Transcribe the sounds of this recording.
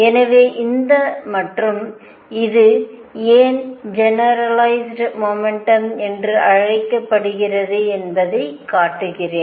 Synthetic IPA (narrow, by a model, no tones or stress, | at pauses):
ɛnɐʋeːʔɪnd̪ɐmɐʈrɯm | ɪðɯ | eːnd͡ʒɛnɐɾɐlɐɪsɖmɔːmɛɳʈɐmɛndrɯʔɐɻɐɪkːɐpːɐɽɯɣɪrɐðɯɛnbɐðɐɪkːaːʈːɯɣɪreːn